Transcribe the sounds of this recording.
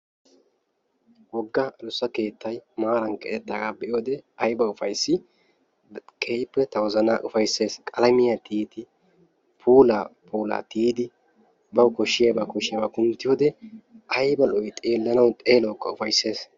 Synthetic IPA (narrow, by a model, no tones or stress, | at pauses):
wɔɡːɐʔɐlʊsːɐke̞ːt̪ːɐjmaːɾɐŋkʼɛt̪ɛt̪ːɐɡabɛʔɪjoːd̪ɛɐjbɐʊfɐjsːɪ | kʰɛjpːɛt̪ɐwɔzɐnaʔʊfɐjsːe̞ːskʼɐlɐmɪjɐt̪ʰiːt̪ɪ | pʰuːlapuːla̰ːt̪iːd̪ɪ | bɐwkɔʃːɪjɐbɐkɔʃɪjɐbɐkʊnt̪ːɪjoːd̪ɛɐjbɐlɔjt̪ʼeːlːɐnɐwt̪ʼeːlɔwkːɐ̰ʊfɐjsːe̞ːs